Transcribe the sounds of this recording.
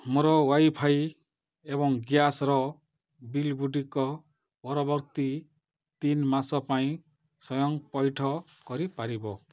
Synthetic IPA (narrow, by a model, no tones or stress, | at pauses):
moɾɔwajpʰaj | eβɔŋɡjasɾɔ | bilɡuɖikɔ | pɔɾɔbɔɾt̪i | t̪inmasɔpaĩ | sɔjɔŋpɔjʈʰɔkɔɾipaɾibɔ